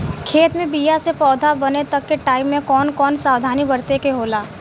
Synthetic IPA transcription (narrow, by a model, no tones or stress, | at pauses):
kʰeːt̪mẽbiːjasepɔːd̪ʱabɐnet̪ɐkːeʈaːɪbmẽkɔːnkɔːnsaːwd̪ʱaːnibɐɾt̪ekeɦoːlaː